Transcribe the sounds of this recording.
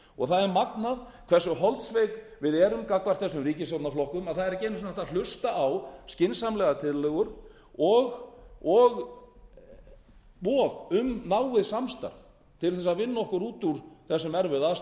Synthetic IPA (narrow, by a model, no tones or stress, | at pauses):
ɔɣθaðɛɾmaknað | kʰvɛrsʏɦɔlt̪sveːjk | vɪðɛɾʏmkakvaɾ̥t̪θɛsʏmriːcɪsawt̪naflɔhkʏmaðθaðɛɾcejnʏsnɛht̪al̥ʏst̪aʔawscɪnsamlɛɣat̪ʰɪðlœɣʏɾ̥ | ɔɣɔɣ | pɔːðʏmnaːwɪðsamst̪a̰ɾð | t̪ʰɪlθɛs̬aðvɪnːaɔhkʏɾuːt̪uɾ̥θɛsːɛmɛɾvɪðas